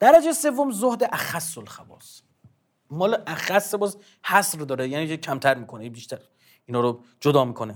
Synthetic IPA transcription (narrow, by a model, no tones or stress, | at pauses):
d̪̥æɾæd͡ʒese̞vːomzohd̪eʔæxæsːolxæbɒ̰ːs | mɒːleʔæxæsːebɒːz | hæsɾd̪ɒːɾejæːnikecʰæmt̪ʰæɾmiːkʰo̞nebiʃt̪ʰæɾ | iːnɒːɾo | d͡ʒod̪ɒːmiːkʰone